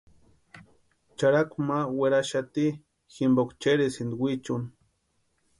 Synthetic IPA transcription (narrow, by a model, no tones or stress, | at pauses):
t͡ʃaɾakʷmaweɾaʃat̪i | ximbokʷt͡ʃeɾisind̪wit͡ʃun